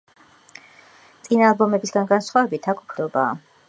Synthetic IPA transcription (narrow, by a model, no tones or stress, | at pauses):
t̪sʼinaːlˠbɔmɛbisɡanɡansχwavɛbit̪ʰakʰu̥pʰɾɔba̰ː